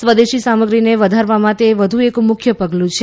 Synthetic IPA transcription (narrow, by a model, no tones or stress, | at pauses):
sʋəd̪eʃisaməɡɾineʋəd̪ʱaɾʋamãt̪eʋəd̪ʱuekmʊkʰjəpəɡlũt͡ʃʰe